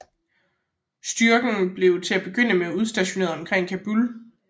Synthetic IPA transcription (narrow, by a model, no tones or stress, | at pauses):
sd̥yɐɡ̥ŋ̩b̥le̝ʊt͡sʰe̝æb̥e̝ɡ̥øn̰əmeæuð̞ˠsd̥æɕo̝ne̝ːɐɒ̽mkʰʁeŋ̰kʰæb̥ul